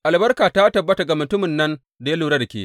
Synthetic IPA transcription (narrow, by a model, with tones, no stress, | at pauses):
ʔa˨lbɐ˦rkaː˨ta˦tɐ˨bːɐ˦ta˨ɡa˨mʊ˨tʊ˦mɪ˨nːɐ˦n | da˨ja˦luː˨ɽa˦da˨kʲḛː˦